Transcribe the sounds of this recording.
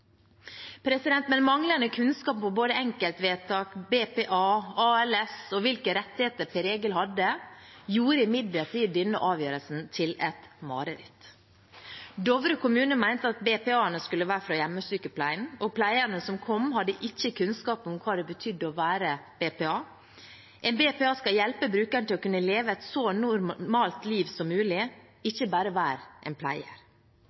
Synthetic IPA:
pʰɾɛsɪd̪ɛnt̪mɛnmɑŋlənəkʰʉnskɑːppʰɔboːd̪əɛŋkəlt̪ʋeːt̪ʰɑːkbeːpeːʔɑːɑːɛlɛsɔʋɪlkəɾɛt̪ːɪheːt̪əɾpʰɛɾeːɡəlhɑd̪ːəjuːɾəɪmɪd̪lət̪ʰiːd̪ɪnːəʔɑːʋjøːɾəlsn̩t̪ʰɪlɛt̪mɑ̰ːɾəɾɪ̰t̪ | d̪ɔʋɾəkʰʊmʉːnəmæɪnt̪əɑt̪beːpɛːɑːənəskʉlːəʋæːɾfɾɑːjæmːəsyːkəpʰlæɪnɔpʰlæɪəɾnəsɔmkʰɔmhɑd̪ːəʔɪçːəkʰʉnskɑːpɔmkʰɑːd̪ɛbət̪ʰʏd̪ːəɔʋæːɾəb̥eːpeːɑː | ʔɛnbeːpeɑːskɑljɛlpəbɾʉːkæɳt̪ʰɪlɔkʉnːəleːʋəɛt̪sɔnʊɾmɑːlt̪liːʋsɔmːʉːlɪ | ɪçːəbæːɾəʋæːɾʔɛ̰npʰlæ̰ɪə̰ɾ

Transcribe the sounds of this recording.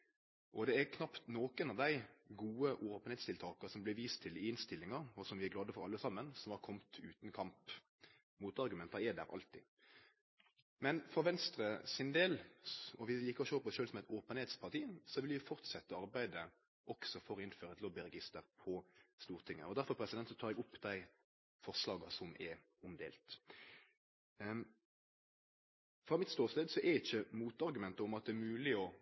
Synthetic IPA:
ʔɔd̪ɛæɾkʰnɑpt̪noːkənɑʋd̪æɪɡuːəʔoːpənheːt̪st̪ʰɪlt̪ʰɑːkəsɔmblɪʋiːst̪ʰɪlɪɪnst̪ɪlːɪŋɑɾɔsɔmʋɪæɡlɑːd̪əfɔɾɑ̰lːəsɑmːənsɔmhɑɾkʰɔmt̪ʉːt̪n̩kʰɑmp | muːt̪ɑɾʁɡʉmɛnt̪ɑɛd̪æ̰ɾɑ̰lt̪ɪ̰ | mɛnfɔɾʋɛnst̪ɾəsɪnd̪eːlɔʋɪliːkːəɔʃøːpɔsʃøːlsɔmɛɪt̪oːpənheːt̪spʰɑʁt̪iːsɔʋɪljɪfɔʁt̪sɛt̪ːəɑɾbæɪd̪ə | ʔɔksɔfɔʁɪnføːɾəɛt̪lɔbɪɾɛɡɪst̪əɾpʰɔst̪uːʁt̪ʰɪŋːə̰ɔd̪æɾfɔɾpʰɾɛsɪd̪ɛnt̪sɔt̪ʰɑːʁɛɡʊpːd̪æɪ | fɔʁʂlɑːɡɑsɔmʔɛ | ʊmd̪ḛːlt̪ | fʁɑmɪt̪st̪oːʁst̪eːd̪sɔʔɛɾɪçːəmuːt̪ɑɾɡʉmɛnt̪əɔmɑt̪̚d̪ɛːɾmʉːlɪɔ

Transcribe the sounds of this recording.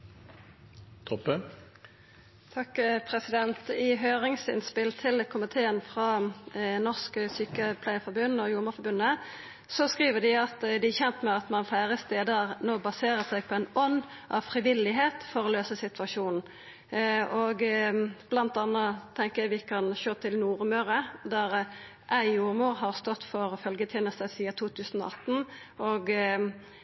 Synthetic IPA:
t̪ʰɔpːə | t̪ʰɑkːpʰʁɛsɪd̪ɛnt̪ɪɦøːʁɪŋsɪ̰nspɪlt̪ʰɪlkʰʊmɪt̪ʰeːənfʁɑːnɔʁskəsyːkəpʰlæɪəfɔʁbʉnːɔjʊːʁməfɔɾbʉnːə | sɔskʁiːʋəd̪ɪɑt̪d̪ɪæçɛnt̪mɛɑt̪mɑnfæːʁəst̪eːd̪əʁnoːbɑseːɾəsæɪɡpʰɔɛɪnɔnː | ʔɑ̰ʋfʁɪʋɪlɪɦeːt̪fɔɾɔløːsəsɪt̪ʰʉɑʂuːnn̩ | ɔɡb̥lɑnt̪ɑnːət̪ʰɛŋkəjæʋɪkʰɑnʃøːt̪ʰɪlnuːʁmøːɾəd̪æʁ | ʔæɪjuːʁmuːʁɦɑʁst̪ɔt̪ːfɔʁfœlɡət̪ʰjɛːnəst̪əsiːɑt̪ʰuːt̪ʰʉːsən̩ɔ̰ɑt̪n̩ | ɔɡ

